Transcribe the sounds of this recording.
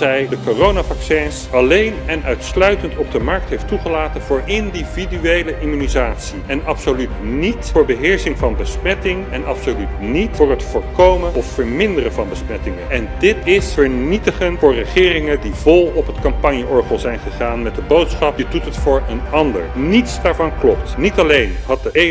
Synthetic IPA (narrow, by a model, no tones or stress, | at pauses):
ɛjdəkorownavɑksɛnsɑlejnɛnœɥtslœɥtəntɔb̚dəmɑɹk̚tɦejftuχəlaːtənvʊːɹʔɪndividyejləʔimynizaːtsiɛnɑpsolytnitfʊːɹbəɦɪːɹsɪŋvɑnbəsmɛtɪŋɛnɑpsolytnitfʊːɹɦətfʊːɹkowməɔfːəɹmɪndərəvɑnbəsmɛtɪŋəɛndɪtɪsfəɹnitəχənfʊːɹrəχɪːrɪŋədivɔlˠɔpɦətkɑmpɑnjəʔɔɹχəlˠzɛjnχəχaːnmɛt̚dəbowtsχɑpjədutətfʊːɹənɑndə̰ɹnitsdaːɹvɑnklɔp̚tnitɑlejnɦɑt̚dəe